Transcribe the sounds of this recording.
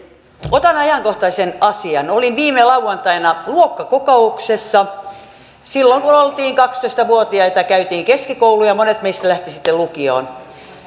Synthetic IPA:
ot̪ɑnɑjɑŋkoht̪ɑisenɑsiɑnolinʋiːmelɑuwɑnt̪ɑinɑluokːɑkokouksesːɑ | silːoŋkunolt̪iːŋkɑkst̪oist̪ɑʋuot̪iɑot̪ɑkæyt̪iːŋkeskikoulujɑmonet̪meist̪ælæht̪isit̪ːelukio̰ːn

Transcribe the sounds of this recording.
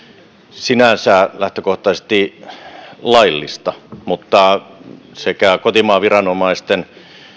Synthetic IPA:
sinænsæːlæht̪økoht̪ɑsest̪i | lɑilːist̪ɑmut̪ːɑ | sekæˑkot̪imɑːʋirɑnomɑist̪en

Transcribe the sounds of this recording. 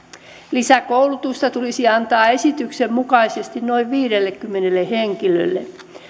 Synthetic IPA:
lisækowlut̪ust̪ɑt̪ulisiɑnt̪ɑːesit̪yksemmukɑisest̪inno̞iʋʋiːɾelːekːymːenelːeheŋkilø̰lːḛ

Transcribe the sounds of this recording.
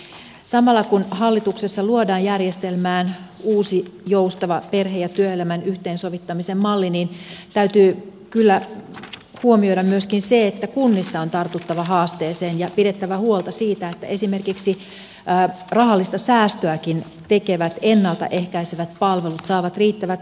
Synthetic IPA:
sɑmɑlːɑkunhɑlːit̪uksesːɑluodɑːjjærjest̪elmæːnuːsijoust̪ɑʋɑperɦejɑt̪yøelæmænyht̪eːnsoʋit̪ːɑmisemmɑlːinint̪æyt̪yːkylːæ | huomioiɾɑmmyøskinseet̪ːækunːisːɑont̪ɑrt̪ut̪ːɑʋɑhɑːst̪eːseːnjɑpiɾet̪ːæʋæhuolt̪ɑsiːt̪æet̪ːæ̰ʔesimerkiksiː | rɑhɑlːist̪ɑsæːst̪øækin | t̪ekeʋæt̪enːɑlt̪ɑ̰ʔehkæiseʋæt̪̚pɑlʋelut̪sɑːʋɑt̪riːt̪ːæʋæt̪

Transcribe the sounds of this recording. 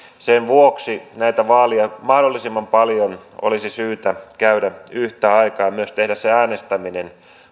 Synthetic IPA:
senʋuoksinæit̪æʋɑːliɑmɑhdolːisimːɑmpɑljono̰lisisyːt̪ækæydæyht̪æɑikɑːmyøst̪ehdæsseæːnest̪æminen

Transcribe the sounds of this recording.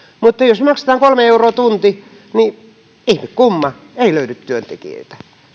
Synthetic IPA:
mut̪ːɑjosmɑkse̥t̪ɑːŋkolmeeuroːt̪unt̪i | ni | ihmikkumːɑ | eiløydyt̪t̪yønt̪ḛkḭḛit̪æ̥

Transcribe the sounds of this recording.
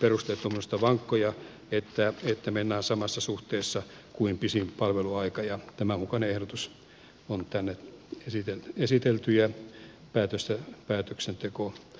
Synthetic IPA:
perust̪elt̪ːumːost̪ɑʋɑŋkːojɑ | et̪ːæet̪ːæmenːæːnsɑmɑsːɑsuht̪eːsːɑ | kuimpisimpɑlʋeluɑikɑjɑt̪æmæmukɑneehɾot̪us | ont̪ænːeesit̪elesit̪elt̪yjæ | pæːt̪øst̪æpæːt̪øksent̪eko

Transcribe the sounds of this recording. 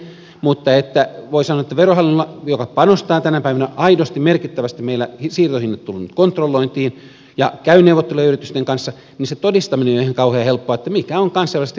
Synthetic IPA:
mut̪ːɑet̪ːæʋoisɑnoɑet̪ːæʋerohɑlːinolːɑjokɑpɑnost̪ɑːt̪ænæpæiʋænæʔɑidost̪imerkit̪ːæʋæst̪immeilːæhisiːrt̪ohinːet̪t̪ulːunt̪kont̪rolːoint̪iːn | jɑkæyneuʋot̪ːeluɑyrit̪yst̪eŋkɑnsːɑ | ninset̪odist̪ɑminenjoiheŋkɑuheɑhelpːoɑet̪ːæmikæoŋkɑnseʋlːˑst̪

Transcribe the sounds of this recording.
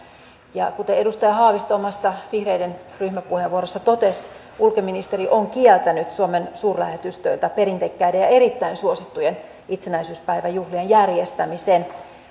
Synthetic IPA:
jɑkut̪eedust̪ɑjɑɦɑːʋist̪oːmɑsːɑʋihreiden | ryhmæpuheʋʋuoɾosːɑt̪ot̪es | ʔulkominist̪eɾiʔoŋkielt̪ænyt̪suomensuːrlæhet̪yst̪ø̰ilt̪æpe̞ɾint̪ekːæjdejɑe̞ɾit̪ːæinsuosit̪ːujen | it̪senæisyːspæiʋæjuhlienjærjest̪æmiseːn

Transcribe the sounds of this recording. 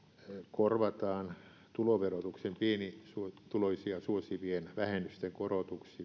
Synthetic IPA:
korʋɑt̪ɑːn | t̪uloʋerot̪uksempienisuot̪uloisiɑsuosiʋienʋæhenyst̪eŋkorot̪uksi

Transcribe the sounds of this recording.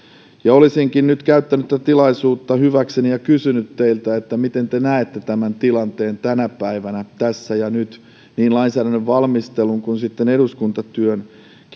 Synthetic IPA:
jɑolisiŋkinnyt̪kæyt̪ːænyt̪t̪æt̪ilɑisuːt̪ːɑhyʋæksenijɑkysynyt̪teilt̪æet̪ːæmit̪ent̪enæet̪ːet̪æmænt̪ilɑnt̪eːnt̪ænæpæiʋænæt̪æsːæjɑnyt̪ | niːnlɑinsæːɾænːøʋʋɑlmist̪eluŋkunsit̪ːeneɾuskunt̪ɑt̪yøn | k

